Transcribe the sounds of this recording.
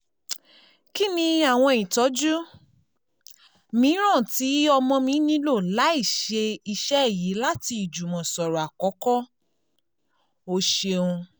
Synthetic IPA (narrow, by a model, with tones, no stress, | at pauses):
ki˦nĩ˧a˨w̃ɔ̃˧i˨tɔ˨˦d͡ʒu˦ | mĩ˨˦ɾ̃ã˦˨ti˨˦ɔ˧mɔ̃˧mĩ˧˦nĩ˦lo˦˨la˨˦i˦˨ʃe˧i˧ʃɛ˦˨ji˨˦la˦ti˧i˨d͡ʒu˨mɔ̃˨sɔ˨ɾɔ˨a˨kɔ˨˦kɔ˦ | o˧ʃe˧ũ˧